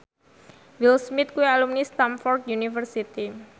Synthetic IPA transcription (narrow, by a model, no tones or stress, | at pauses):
wilsmit̪̚kuialumnist̪amfɔrt̪̚junifərsit̪i